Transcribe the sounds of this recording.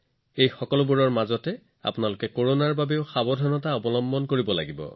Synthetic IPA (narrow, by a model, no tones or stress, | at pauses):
ejxɔkɔlʊbuɹɔɹmazɔtɛ | a̰pʊnalʊkɛkoɹonaɹbabeʊxabɔdʱɔnɔtaɔbɔlɔmbɔnkoɹibɔla̰ɡibɔ̰